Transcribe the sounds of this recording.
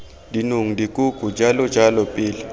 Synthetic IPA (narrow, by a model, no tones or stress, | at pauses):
dʱinuŋidikʼuɡ̥ʱud͡ʒʱalɔd͡ʒʱalɔpʼiːlɛ